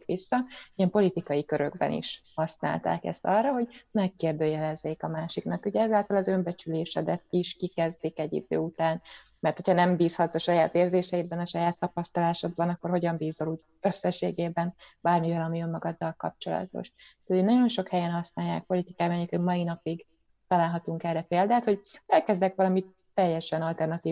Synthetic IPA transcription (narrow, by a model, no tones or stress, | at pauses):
ikʋisːɒiɛmpo̞lit̪ikɒjikø̞ɾø̞ɡbɛ̰nḭʃhɒsna̰ːlt̪a̰ːkɛ̰st̪ɒrːɒɦo̞ɟmɛkːeːrd̪øːjɛlɛzːeːkɒmaːʃiknɒkuɟɛɛzaːlt̪ɒlɒzø̞mbɛt͡ʃyleːʃɛd̪ɛt̪̚iʃkikɛzd̪ikɛɟːḭd̪ø̰ːut̪aːn | mɛrt̪ho̞chɒnɛmbiːshɒt̪z̥ɒʃɒjaːt̪eːrzeːʃɛjid̪bɛnɒʃɒjaːt̪ːɒpɒst̪ɒlaːʃod̪̚bɒnɒkːo̞rho̞ɟɒmbiːzoluːɟ | ø̞sːɛʃːeːɡeːbɛnbaːrmivɛlɒmiø̞mːɒɡɒd̪ːɒlkɒ̰p̚t͡ʃo̞̰lɒ̰t̪o̞̰ʃɛenɒɟo̞nʃo̞khɛjɛnhɒsnaːjːa̰ːk̚po̞lit̪ikaːbanikɛmɒinɒpiɡ | t̪ɒlaːlɦɒt̪uŋkɛrːɛpeːld̪aːt̪ho̞ɟɛlkɛzd̪ɛkʋɒlɒmi | t̪ːɛjːɛʃɛnɒlt̪ɛrnɒt̪iː